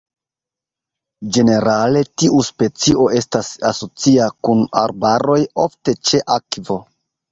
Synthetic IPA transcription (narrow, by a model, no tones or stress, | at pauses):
d͡ʒe̞ne̞ɾale̞tiuspe̞t͡siʔo̞e̞stasaso̞t͡siakuna̰ɾbaɾo̞jo̞fte̞t͡ʃe̞ʔakvo̞